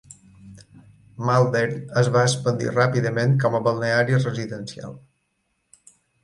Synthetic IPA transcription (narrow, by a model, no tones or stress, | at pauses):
malˠd̪eɾəzβaəspənd̪ḭrapiðəmẽnkɔməβəlˠneaɾirəziðənsia̰lˠ